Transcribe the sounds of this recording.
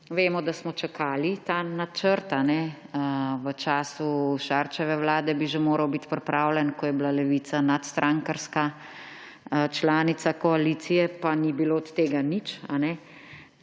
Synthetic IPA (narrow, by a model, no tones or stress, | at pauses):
ʋeːmɔd̪asmɔt͡ʃakʰaːlit̪anat͡ʃəɾt̪anɛ | ʋət͡ʃaːsuʃaɾt͡ʃɛʋɛwlaːd̪ɛbiʒemoːɾɐwbit̪pɾipɾʔaːwlɛnkɔjɛblalɛʋiːt̪anat̪st̪ɾʔaŋkaɾska | t͡ʃlaːnit̪sakɔaliːt̪sijɛpanibiloɔt̪t̪eːɡanit͡ʃa̰nɛ